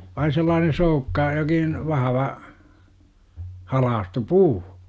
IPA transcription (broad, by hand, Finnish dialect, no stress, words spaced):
ʋɑin̞ selːɑːnen̞ soukːɑ jokin ʋɑhɑʋɑ hɑlɑːstu puː